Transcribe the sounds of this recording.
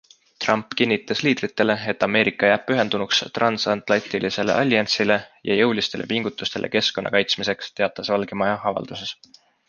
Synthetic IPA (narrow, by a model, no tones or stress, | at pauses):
t̪rɑmpːkinʲːit̪ˑːɑsliːd̪̥rit̪ːˑe̞le̞e̞t̪ːˑɑme̞ːɾikːˑɑjæːb̥̚pːyɦe̞nd̪unukst̪rɑnsɑnt̪ˑlɑt̪ilise̞le̞̰ʔɑlʲːjɑnsile̞jɑ̰jɤwlist̪e̞lʔe̞̰piŋɡ̥ut̪ːˑust̪e̞lʔe̞̰ke̞sko̞nːɑ̰kɑjt̪smise̞kst̪e̞ɑt̪ːˑɑsvɑlɡ̥emɑjɑɑvɑ̰ld̪use̞s